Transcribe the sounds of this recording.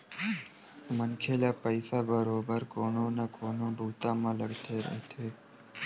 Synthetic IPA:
mənkʰelaːpəjsabəɾobəɾkononakʰonobʱuːt̪amãləɽt̪ʰeɾə̰ɦt̪ʰe

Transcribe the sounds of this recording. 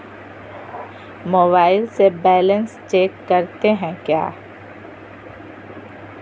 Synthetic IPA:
moːbaːɪlsebɛːlə̃nst͡ʃeːkːɐɾt̪eɦɛ̃kja̰ː

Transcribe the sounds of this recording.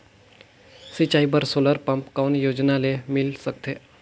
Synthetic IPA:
sit͡ɕaibəɾsoləɾpəmpkaunjod͡ʑnalemilsək̚t̪ʰe

